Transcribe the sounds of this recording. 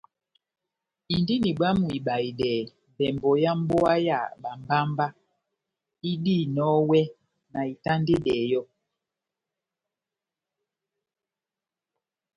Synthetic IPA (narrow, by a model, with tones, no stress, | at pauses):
i˨ndi˦ni˨ɓa˦mu˨i˨ɓa˨i˨dɛ˨ | bɛ˨mbɔ˨ja˦m̩˦bɔ˦a˦ja̰˨ɓa˨mba˦mba˦ | i˦di˦˨nɔ˦wɛ˦ | na˨i˨ta˦nde˦dɛ˨jɔ˦